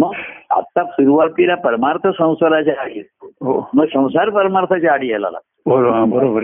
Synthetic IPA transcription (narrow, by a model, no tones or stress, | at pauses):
məɡa̰t̪ːasuɾuʋap̪iɾapəɾmaɾt̪ʰəsə̃w̃səɾat͡ɕaːɽiet̪ːoɦoməɡsə̃w̃saɾpəɾmaɾt̪ʰat͡ɕaːɽiɦɛla̰la̰t̪bəɾoɦãbəɾobəɾ